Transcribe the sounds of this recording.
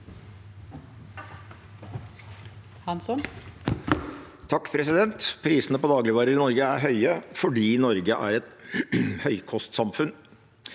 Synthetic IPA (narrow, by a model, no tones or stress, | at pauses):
hɑnsɔn | t̪ʰɑkːpʰɾɛsɪd̪ɛnt̪pʰɾiːsənəpɔd̪ɑːɡlɪʋɑːɾəɾɪnɔɾɡəæɾɦœʏəfɔɖiːnɔɾɡəʔæ̰ːɾɛt̪ | hœʏkʰɔst̪sɑmfʉn